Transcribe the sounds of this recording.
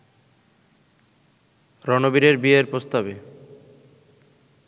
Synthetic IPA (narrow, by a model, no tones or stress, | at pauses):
ɾɔnobiɾeɾbieɾpɾost̪abe